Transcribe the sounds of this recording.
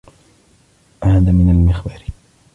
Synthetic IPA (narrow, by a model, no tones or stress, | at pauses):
haːðaːmɪnalmɪxbaːɾ